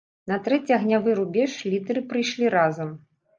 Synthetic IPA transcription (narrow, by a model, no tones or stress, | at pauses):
nɐt̪ɾɛt͡sʲiɐɣnʲavɨɾubʲɛʂlʲit̪ɨɾɨpɾɨjʂlʲiɾazɐm